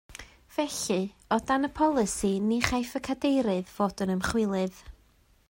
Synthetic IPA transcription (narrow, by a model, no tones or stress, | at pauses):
v̥ɛɬɨɔdanəpʰɔlˠɨsiniχajfəkʰadejɾɨðv̥oːdənəmχwɪlˠɨð